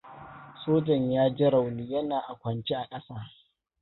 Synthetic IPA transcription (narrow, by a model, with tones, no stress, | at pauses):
soː˦d͡ʒɔ˨ɲjaː˦d͡ʒɪ˦ɾa˨wli˦jɐ˦naː˨ʔa˨kʷɐ˨nt͡ʃe˦ʔa˨kʼɐ˦saː˦